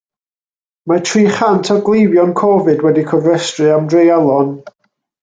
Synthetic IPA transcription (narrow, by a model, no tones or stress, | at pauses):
matʰriːχantʰɔɡlˠevjɔnkʰɔvɨdwɛdikʰɔvrɛstrɨamdrejalˠɔn